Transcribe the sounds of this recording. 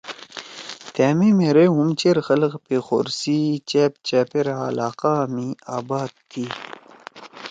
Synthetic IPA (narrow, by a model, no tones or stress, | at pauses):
t̪eːmemeɾeɦumt͡ɕeɾxɐlqpexo̰ɾsit͡ɕep̚t͡ɕaːpeɾa̰ːlaːqamiaːbaːd̪̚t̪ʰːi